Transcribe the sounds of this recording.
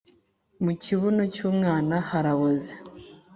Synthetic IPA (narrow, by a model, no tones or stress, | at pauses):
muciβunocuːmŋaːnahaɾaβoze̥